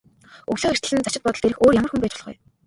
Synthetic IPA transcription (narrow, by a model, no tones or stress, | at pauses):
uɣɮoːxer̥t̪ə̆ɮ̆nt͡sat͡ɕɪ̆t̪pɔt̪ɞ̆ɮt̪eɾɘ̆xoːrjamə̆rxumpæːt͡ɕʊɮʁṵj